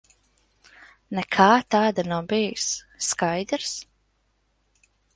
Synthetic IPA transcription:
nɛkʰaːt̪aːd̪anawbijsː | kajd̪ɾs

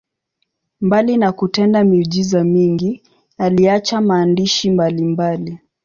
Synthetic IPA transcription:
mbalinakutɛndamiʄizamiŋɡi | aliat͡ʃamaːndiʃimbalimbali

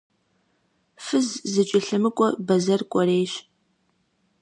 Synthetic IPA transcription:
fɨzzɨt͡ʃʼɪɬɨmɨkʷʼɔbɐzɐrkʷʼɔreːɕ

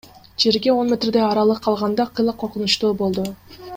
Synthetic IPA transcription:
d͡ʒe̞ɾɡʲe̞o̞nmʲe̞t̪rd̪eɑɾɑlˠɯqʰːɑlˠʁɑnd̪ɑqʰɯjlˠɯqʰːoɾqunut͡ʃt̪uːbo̞lˠd̪u

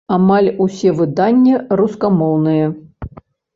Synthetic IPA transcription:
amalʲusʲɛvɨd̪anʲːɐɾuskamɔwnɨjɐ

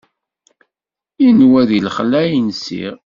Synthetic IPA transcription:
inwæðilχlæjnsḭʁ

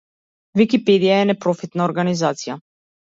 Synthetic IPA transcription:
vikipɛd̪ijaɛnɛpɾɔfit̪naɔɾɡanizat̪sija

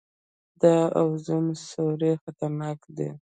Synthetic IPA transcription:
d̪ɑawzəmsoɾexat̪aɾnɑkd̪ḛ

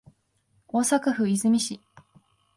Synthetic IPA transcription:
oːsakaɸɯ̟izɨmʲiɕi

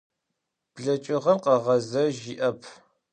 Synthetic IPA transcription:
b̥ɮɐt͡ʃʼɪʁɐmqɐʁɐzɐʒiʔɐpʰ

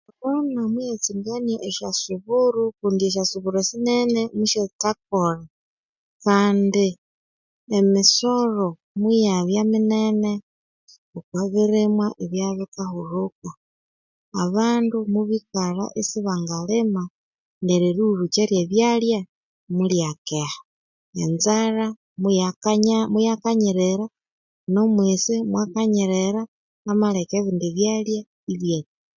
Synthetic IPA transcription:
βonamwijet͡siŋɡanieʔeʃasuβuɾukuːndieʃ̬asuβuɾesinenemuʃetak̚oɾa | kaːndi | emisoɾo | mwujaβjaminene | okwaβiɾemwaʔeβjaβikahuɾuka | aβaːndumuβikaɾa̰ʔesiβaŋɡalema | neɾiɾuɾut͡ʃeɾjeβjalja | muljakehḁ | enzaɾa | ɲmujakaɲiɾeɾa | nomwisimwakaɲiɾeɾaː | malekeβindiβjalja | iβje

